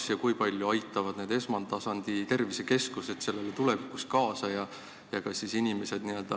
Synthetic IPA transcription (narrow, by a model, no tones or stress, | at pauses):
sjɑkujpɑlʲjuɑjt̪ːˑɑvɑd̪̥ne̞d̪e̞smɑnd̪ɑsɑnd̪̥it̪e̞rvise̞ke̞skuse̞t̪se̞lːe̞let̪ule̞vikˑuskɑːsɑjɑ | jɑkɑssːisinʲimese̞d̪̥nie̞ld̪̥ɑ